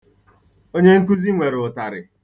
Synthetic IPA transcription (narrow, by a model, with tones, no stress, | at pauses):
o˦ɲe˦ŋ̩˦k̬u˦zi˦ŋʷe˨ɾʊ˨ta˨ɾɪ˨